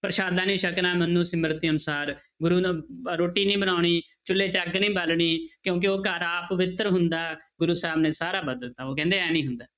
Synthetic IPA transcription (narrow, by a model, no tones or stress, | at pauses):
pəɾəʃaːd̪aːnĩːʃəknaːmənːũːsɪməɾt̪iːənʊsaːɾ | ɡʊɾuːɾoːʈiːnĩːbənaːɳiː | t͡ʃʊlːeːt͡ʃəɡnĩːbəlɳiːkjõːk̬ɪoːkəɾaːpəʋɪt̪ɾɦʊnd̪aːɡʊɾuːsɛɦbneːsaːɾaːbəd̪əlt̪aːoːk̬ɛ̃ːnd̪eːɛːnĩːɦʊnd̪aː